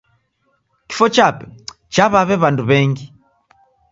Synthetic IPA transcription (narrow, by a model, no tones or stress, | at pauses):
ki̥fɔt͡ʃapɛ | t͡ʃaβaβɛβanduβɛŋɡi